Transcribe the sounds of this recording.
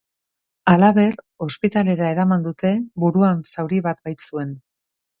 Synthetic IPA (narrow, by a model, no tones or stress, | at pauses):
alaβe̞r | o̞spit̪ale̞ɾaeɾamand̪ut̪e̞buɾuansawɾiβat̪bajt͡sue̞n